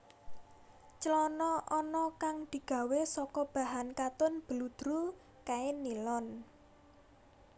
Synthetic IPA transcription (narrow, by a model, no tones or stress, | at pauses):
t͡ʃəlɔnɔʔɔnɔkaŋd̪̥i̤ɡ̥ä̤wesɔkɔb̥a̤ɦankat̪ʊnb̥əlud̪̥ɾu | kaɪnːilɔn